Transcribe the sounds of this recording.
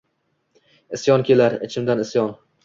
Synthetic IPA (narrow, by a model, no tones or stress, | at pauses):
ɪsjɒnkʲelaɾɪt͡ʃʰɪmd̪anɪsjɒn